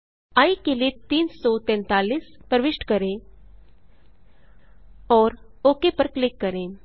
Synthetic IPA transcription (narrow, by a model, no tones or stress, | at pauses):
aːikelit̪iːnsɔːt̪ɛ̃ːnt̪aːliːspəɾʋɪʃʈkəɾẽː | ɔːɾ | oːkepəɾklɪkːəɾeː